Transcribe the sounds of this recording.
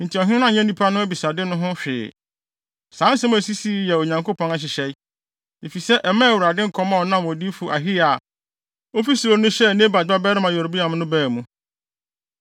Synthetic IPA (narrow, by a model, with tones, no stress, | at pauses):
n̩˨tʰi˨ɔ˨ɦɪ̃˦nã˦˨ɲɛ̃˦nĩ˦pʰa˦nʊ̃˦æ˦bi˨sa˨dɪ˦nʊ̃˦ɦʊ̃˦ɕᶣɪ̰ː˨ | sãː˨˦n̩˦sɛ˦m̃˦æ˨si˦si˦jɛ˨o˨ɲã˨ŋko˦pʰɔ̃˨na˨ɕ̬ɪ˨ɕɛ˦ | e˨fi˨sɛ˦ʔɛ˨mã˦˨wu˨ɾa˨dɪ̃˦ŋ̩˨kʰɔ˦mã˦˨ɔ˨nã˦˨wɔ̃˨di˦fu˨ʔa˨ɦi˦a˨ | o˦fi˦su˨o˨nʊ̃˦ɕɛ˦˨nẽ˦ba˨dba˦bɛ˦ɾɪ˦mã˨jɔ˨ɾbi˦a˨m˦nʊ̃˦bɛː˦˨mũ˦